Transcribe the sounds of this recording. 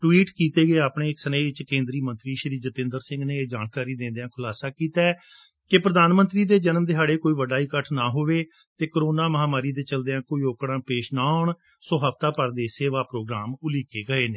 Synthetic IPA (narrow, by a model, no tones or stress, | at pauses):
ʈʋiːʈkiːt̪eːɡəeːapɳeːɪksəneːɪt͡ʃkẽːnd̪ɾiːmə̃nt̪ɾiːʃəɾiːd͡ʒət̪ɪ̃nd̪əɾsɪ̃ŋɡneːd͡ʒaːnkaːɾiːd̪ẽːnd̪eãːkʰʊlaːsaːkiːt̪aːɛ | kɪpɾəd̪aːnmənt̪ɾiːd̪eːd͡ʒənmd̪eːɦaːɽeːkoːiːʋəɖaːiːkəʈʰnaːɦoːʋeː | t̪eːkəɾoːnaːməɦaːmaːɾiːd̪eːt͡ʃəld̪eãːkoːiːoːkɽãːpeːʃnaːoʊɳ | soːɦəfʰt̪aːpəɾd̪eːseːʋaːpɾoːɡɾaːmʊliːkeːɡəeːneː